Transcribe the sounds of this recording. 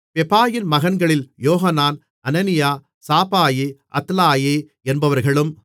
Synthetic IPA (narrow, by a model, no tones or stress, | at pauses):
pɛpaːjɪnmɐɣɐnɡɐɭɪljoːɦɐnaːn | ɐnɐnɪjaː | saːpaːjeʔɐ̰t̪laːjeː | ɛnbɐʋɐɾɣɐɭɯm